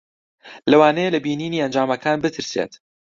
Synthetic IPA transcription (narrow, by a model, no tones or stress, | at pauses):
lɐwaːnejelɐbiːniːniːɐnd͡ʒaːmɐkʰaːnbɨt̪ʰɨɾsḛt̪